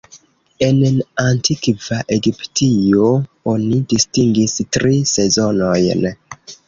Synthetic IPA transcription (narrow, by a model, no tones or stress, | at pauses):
e̞nantʰikvaʔe̞ɡiptio̞o̞nidistiŋɡistɾise̞zo̞no̞jn